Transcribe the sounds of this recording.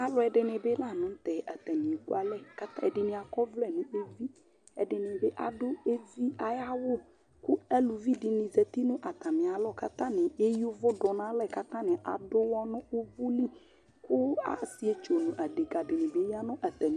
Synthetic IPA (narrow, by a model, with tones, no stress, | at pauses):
a˨lʊ˦ɛ˨ɖɪ˨nɪ̃˨be˦la˦˨nʊ̃˦t̪ɛ˨ʔa˨t̪ɛ˨nĩ˨ku˦a˨lɛ˦˨ka˦t̪a˦ɛ˨ɖɪ˨nɪ̃˨a˨kɔ˦vlɛ˨nʊ̃˨e˦vi˦ | ɛ˨ɖɪ˨nɪ̃˨be˦ʔa̰˨dʊ˦e˦vi˦a˨ja˦wʊ˦ | kʊ˦ɛ˦lu˨vi˦dɪ˨nɪ̃˨zɛ˨t̪i˦nʊ̃˦ʔa˨t̪a˨mɪ̃˨a˨lɔ˦˨ka̰˦t̪ã˦nɪ̃˨e˦ju˦vʊ˦ɖɔ˨nã˦lɛ˨ka˦t̪ã˦nɪ̃˨ʔa˨dʊ˦wɔ˦nʊ̃˦ʊ˦vʊ˦li˦ | kʊ˦a̰˨si˦e˨t͡ʃo˨nʊ̃˨ʔa˨de˨ɡa˨dɪ˨nɪ̃˨be˦ja˦nʊ̃˦ʔa˨t̪ɛ˨ñ˨